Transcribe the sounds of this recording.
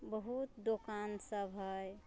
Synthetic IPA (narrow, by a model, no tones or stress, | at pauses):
bəɦut̪d̪okansəbʱɦəj